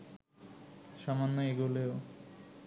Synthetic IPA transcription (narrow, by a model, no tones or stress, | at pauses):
ʃɔmanːoeɡuleo